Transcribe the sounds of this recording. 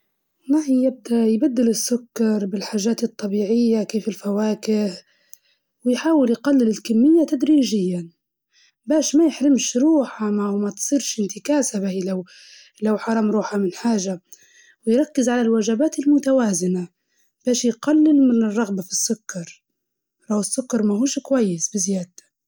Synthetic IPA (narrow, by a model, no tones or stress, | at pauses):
naħijɪb̚d̪ajbad̪ːɪlɪsːʊkːɑɾˤbɪlħaːʒaːt̪ɨt̪ˤːɑbiːʕɪjːakeːfɪlfawaːkɪh | wɪjħaːwɪljqɑlːɪlɪlkamːɪjːat̪ad̪ɾiːʒɪjːa | baːʃmajɪħɾɪmʃɾuːħamawmat̪sˤiːɾʃɪnt̪ɪkaːsabailaw | lawħɑɾˤɑːmɾˤuːħamɪnħaːʒa | wɪjɾˤɑkːɪzʕalalwaʒabaːt̪ɪlmʊt̪awaːzɪna | b̥aːʃjqɑlːɪlmɪnɪrˤːɑɣbafisːʊkːɑɾˤ | lawɪsːʊkːɑɾˤmaɦuːʃkwajːɪsbɪzɪjaːd̪̚t̪ḁ